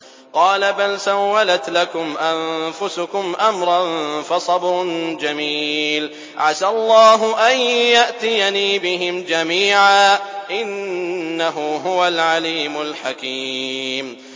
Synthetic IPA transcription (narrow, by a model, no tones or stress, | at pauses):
qɑːlabalsawːalat̪lakʊmʔanfʊsʊkʊmʔamɾˤɑnfɑsˤɑbɾʊnd͡ʒamiːl | ʕasalˤːɑːɦʊʔanjaʔt̪ɪjaniːbɪɦɪmd͡ʒamiːʕaːʔɪnːaɦʊɦʊwalʕaliːmʊlħakiːm